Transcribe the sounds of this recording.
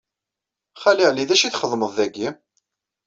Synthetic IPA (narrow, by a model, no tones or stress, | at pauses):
χæliʁliðæʃiθχəðˤməðˤæɡːi